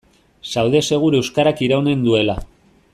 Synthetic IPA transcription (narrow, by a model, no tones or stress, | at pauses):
sawðe̞se̞ɣ̞uɾe̞wskaɾakiɾawne̞nd̪ue̞la